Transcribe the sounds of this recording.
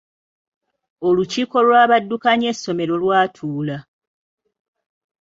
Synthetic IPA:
o̞luciːko̞lwaːβadːukaɲe̞sːo̞me̞ɾo̞lwaːtʰuːla

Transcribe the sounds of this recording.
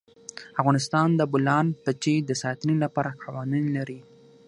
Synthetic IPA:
afɣɑnɪst̪ɑnd̪əbʊlɑnpət͡ʃid̪əsɑt̪nilapɑɾaqʰɑwɑninlaɾi

